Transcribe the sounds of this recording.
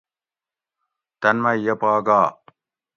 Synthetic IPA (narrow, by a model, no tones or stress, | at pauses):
t̪ɐnmɐjɐpaːɡaː